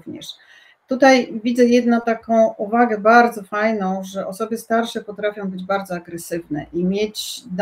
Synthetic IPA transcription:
vɲɛ̰ʂ | t̪ut̪ajvʲid̪zɛjɛd̪nɔ̃t̪akɔ̃w̃ʔuvaɡɛbaɾd̪zɔfajnɔ̃w̃ʐɛʔɔsɔbɘst̪aɾʂɛpɔt̪ɾafʲjɔ̃w̃bɘd͡ʑbaɾd̪zɔaɡɾɛsɘvnɛ̰ʔimʲjet͡ɕd̪

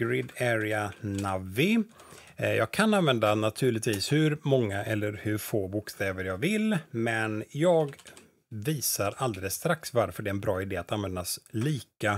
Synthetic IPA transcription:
ɡ̥ɾɪd̪ɛɾɪanavːɪ | jɑ̰ːɡ̚kʰananvɛnd̪anat̪ʰʉ̟ːɭɪt̪viːshɵɾmɔŋːaʔɛlːəɾhɵɾfoːbʊkst̪ɛːvəɾjɑːɡvɪlmɛnjɑːɡ | viːsaɾald̪ɛləsːt̪ɾaksvaɾfœɖɛɛnbɾɑːɪd̪eːat̪anvɛnd̪asliːka

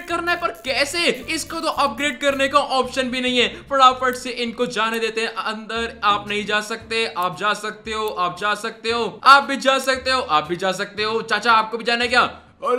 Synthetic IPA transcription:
kɐɾnaɦɛpɐɾkɛːseɪskot̪oʔɐp̚ɡɾeːɖ̚kɐɾnekaʔɔːpʃənbʱinɐɦĩɦɛːpɐɽaːpɐɖseʔɪnkod͡ʒaːned̪eːt̪eɦɛ̃ʔɐ̃nd̪əɾaːpnɐɦĩd͡ʒaːsɐk̚t̪eɦɛ̃ʔaːp̚d͡ʒaːsɐk̚t̪eɦoːʔaːp̚d͡ʒaːsɐk̚t̪eɦoːaːp̚bʱid͡ʒaːsɐk̚t̪eɦoːʔaːp̚bʱid͡ʒaːsɐk̚t̪eɦoːt͡ʃaːt͡ʃaːp̚kobʱid͡ʒaːnaɛkjaː

